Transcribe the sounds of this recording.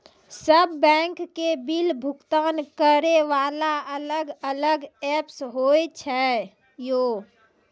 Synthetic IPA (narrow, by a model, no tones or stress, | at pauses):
səbːɛ̃ːŋkːebilbʱʊkt̪aːnkəɾeʋaːlaələɡələɡɛpsɦoet͡ʃʰɛ | joː